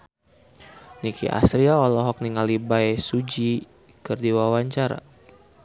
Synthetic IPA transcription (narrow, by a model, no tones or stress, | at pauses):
nikḭʔa̰sɾiaɔlɔɦɔk̚niŋalibajsud͡ʒi | kɨrdiwawaɲt͡ʃaɾa̰